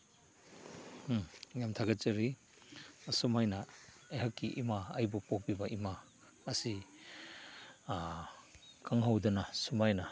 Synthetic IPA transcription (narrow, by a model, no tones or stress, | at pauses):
jamtʰaɡɐt̚t͡ʃɐɾi | sumajnɐeɦɐkːiʔimaajbupok̚bibɐimaː | si | kaŋɦawdɐnɐsumajnɐ